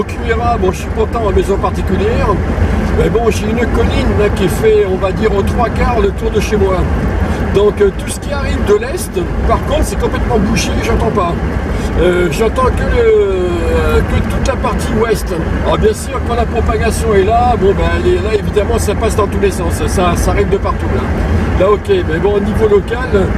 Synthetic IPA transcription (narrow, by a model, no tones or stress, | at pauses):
ɔkʲymeʁabɔ̃ʒəsɥikɔ̃t̪ɑ̃mezɔ̃paʁt̪ikʲyljɛʁmɛbɔ̃ʒeynkɔlinakʲiɛfɛɔ̃vad̪iʁot̪χwakaʁlət̪uʁd̪əʃemwa | d̪ɔ̃kt̪usə̥kʲiaʁivd̪əlɛst̪paʁkɔ̃t̪χsɛkɔ̃plɛt̪mɑ̃buʃeʒɑ̃t̪ɑ̃pa | øʒɑ̃t̪ɑ̃kələ | kət̪ut̪lapaʁt̪iwɛst̪ | ɔbjɛ̃syʁkɑ̃lapχɔpaɡasjɔ̃ɛlabɔ̃balelaevid̪amɑ̃sapasd̪ɑ̃t̪ulesɑ̃ssasaʁɛvd̪əpaʁt̪ulalaokʲemɛbɔ̃onivolɔkal